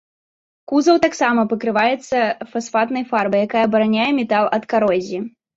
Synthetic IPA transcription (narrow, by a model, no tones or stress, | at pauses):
kuzɐwt̪aksamɐpɐkɾɨvajɛt̪sːɐfasfat̪nɐjfarbɐjakajɐbɐɾanʲajɛmʲɛt̪alˠɐt̪kaɾɔzʲi